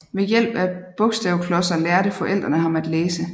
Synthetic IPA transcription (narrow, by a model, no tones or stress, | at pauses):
ʋejel̰b̥æb̥ɔ̽ɡ̥sd̥ɛʊkʰlɒ̽sɐlæɐɾ̥əfɒ̽ʔel̰d̥ʁɐnəɦɑ̈mæd̥leːsə